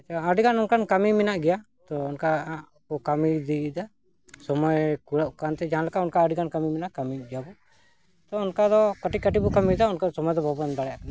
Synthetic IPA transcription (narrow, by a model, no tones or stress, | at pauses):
at͡ʃaəɖikanunkankamimɛnaʔɡɛja | t̪ɔunka | bɔkamid̪id̪a | sɔmɔjkuɽaʔkant̪ɛd͡ʒaɦãlakaunkaəɖikankamimɛnaʔkamiɡɛjabɔ | t̪ɔunkad̪ɔkəʈikəʈibukamid̪aunkasɔmɔjd̪ɔbʱɔbnd̪aɽja